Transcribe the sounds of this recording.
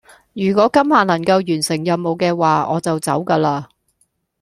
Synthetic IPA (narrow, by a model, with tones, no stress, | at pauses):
jyː˨˩kɔː˨˥kɐ˥mhaː˨˩nɐ˨˩ŋkɐ˧wjyː˨˩nsɪ˨˩ŋjɐ˨mmo˨˧wkɛː˧waː˨ɔː˨˧t͡sɐ˨wt͡sɐ̰˨˥wkaː˧laː˧